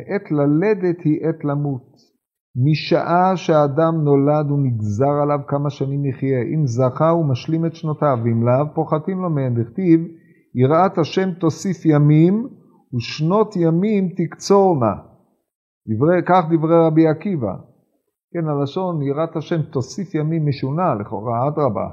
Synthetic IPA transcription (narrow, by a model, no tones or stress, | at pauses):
ʔet̪laled̪et̪hiʔet̪lamut̪ | miʃaʔaʃeaːdamno̞lad̪uniɡzaʁalavkamaʃanimiχje̞ʔimzaχaumaʃlimet̪ʃnotavimlavpo̞χatimlo̞meendiχt̪iv | iʁʔat̪haʃe̞mt̪o̞sifjamim | uʃno̞t̪jamimt̪ikt͡so̞ʁna̰ | d̥̪ivʁekaχd̪ivʁeʁabiakiva̰ | kenalaʃo̞niʁat̪haʃe̞mt̪o̞sifjamimːeʃunaleχo̞̰ʁaad̪ʁaba̰